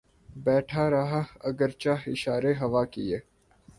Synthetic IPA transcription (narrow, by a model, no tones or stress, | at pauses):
bɛːʈʰaɾɐɦaɐɡəɾt͡ʃaːɦɪʃaːɾeɦɐʋaːkieː